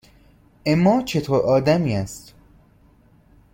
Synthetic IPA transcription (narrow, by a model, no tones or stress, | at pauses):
emːɒːt͡ʃʰe̞t̪ʰoːɾʔɒːd̪æmiːæst̪